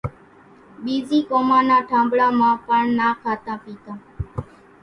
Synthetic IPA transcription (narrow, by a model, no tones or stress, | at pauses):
bid͡ʒikɔmanaʈʰãːmbɭamãpəɳnakʰat̪ãpit̪ã